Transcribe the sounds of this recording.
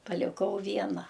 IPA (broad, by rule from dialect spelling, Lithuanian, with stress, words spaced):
pɐlʲɪˈkɐʊ ˈʋʲiɛnɐ